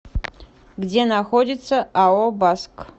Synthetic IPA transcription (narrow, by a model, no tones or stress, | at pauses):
ɡd͡zʲenaxodʲit̪sɐawobask